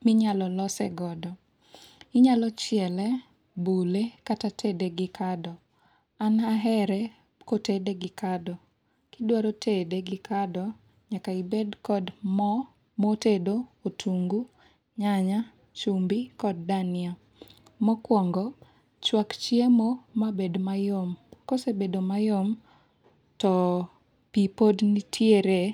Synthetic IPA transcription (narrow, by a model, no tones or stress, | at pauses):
mɪɲalɔlɔsɛɡɔdɔ | ɪɲalɔt͡ʃɪɛlɛ | bulekatatʰedeɡɪkʰadɔ | anaɦɛɾɛ | kotedeɡɪkadɔ | kidwaɾotʰedeɡɪkadɔ | ɲakaibedkɔdmɔ | motedootʰuŋɡu | ɲaɲa | t͡ʃumbikɔd̚ːanɪa | mɔkwɔŋɡɔ | t͡ʃwakt͡ʃiemomabedmajomkosebedomajom | tɔ | pipodnitʰjeɾe